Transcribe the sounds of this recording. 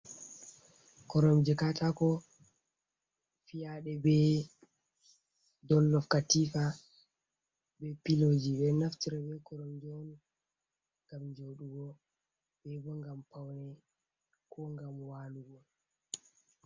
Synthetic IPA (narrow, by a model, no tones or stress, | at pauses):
kɔɾɔmd͡ʒɛkatakɔ | fijaɗɛbɛ | dɔlːɔfkatifa | bɛpilod͡ʒibɛnaftiɾɛbɛkɔɾɔmd͡ʒn | ŋɡamd͡ʒoɗuɡɔ | bɛbɔŋɡampawnɛ | kʰɔŋɡamwaːluɡɔ